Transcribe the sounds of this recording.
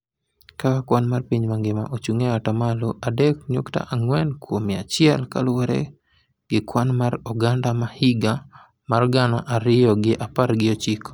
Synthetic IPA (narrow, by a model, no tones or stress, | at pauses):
kawakwanmarpiɲmaŋɡɪma̰ʔot͡ʃuŋeatamaloʔadɛk̚ɲokta̰ʔaŋwɛnkwomɪa̰t͡ʃɪɛlka̰lwɔɾɛ̰ | ɡ̥ɪkwanmaɾɔɡandamahiɡa | marɡanaʔaɾɪjɔɡɪʔaparɡɪot͡ʃik